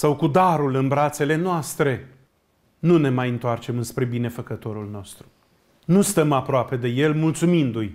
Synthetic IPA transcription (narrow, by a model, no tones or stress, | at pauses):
sawkud̪aɾulɨnbɾat̪se̞le̞noast̪ɾe̞ | nune̞majɨnt̪oart͡ʃe̞mɨnspɾe̞bine̞fəkət̪o̞ɾulno̞st̪ɾu | nust̪əmapɾoape̞d̪e̞je̞lmult̪sumind̪uj